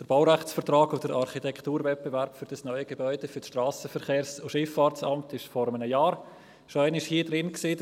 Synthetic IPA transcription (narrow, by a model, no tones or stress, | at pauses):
d̥əɾb̥aʊɾæχt͡sfəɾtrɑːɡʊd̥əɾʔɑɾχitʰɛktuːɾvɛt̚b̥evɛɾpfyɾd̥ɑsnœʏəɡ̥ebɔʏd̥efysʃtraːsəfəɾχeːɾsʊʃɪfːɑːɾt͡sɑmtʰɪʃfɔɾəmənəjaːɾ | ʃoæɪnɪʃhiːdɾɪnksiː